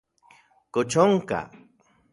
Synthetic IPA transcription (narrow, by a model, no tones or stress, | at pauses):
kʊt͡ʃoŋka̰